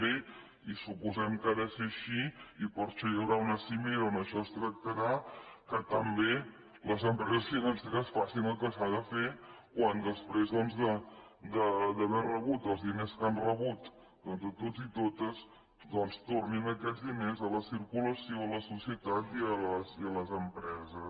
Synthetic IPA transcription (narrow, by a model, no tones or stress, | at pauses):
e | isupuzɛmkaðəseəʃiipəɾʃɔjəwɾaunəsimeɾəonəʃɔəst̪ɾək̚t̪əɾakət̪əmbe | ləzəmpɾɛzəsfinansiɾəsfasinəlˠkəsaðəfekwand̪əspɾezðɔnzðə | d̪əd̪əβɛrəβ̞ut̪əlˠzðineskanrəβut̪ | d̪ɔnzðət̪od͡zit̪ot̪əz | d̪ɔnst̪orninəkɛd͡zðinezələsiɾkuləsioələsusiət̪at̪iələsiələzəmpɾɛzə